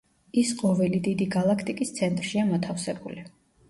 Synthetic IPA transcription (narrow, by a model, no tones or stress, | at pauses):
isqʼɔvɛlid̪id̪iɡalˠakʰt̪ʼikʼist̪sʰɛnt̪ʼɾʃiamɔt̪ʰafsɛbuli